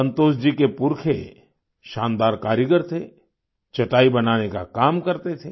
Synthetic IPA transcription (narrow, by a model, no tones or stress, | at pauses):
ɐ̃nt̪oːsd͡ʒikepʊɾkʰḛ | ʃãːnd̪aːɾkaːɾjəɡəɾt̪ʰe | t͡ʃɐʈaːibɐnaːneka̰kaːmkɐɾt̪et̪ʰe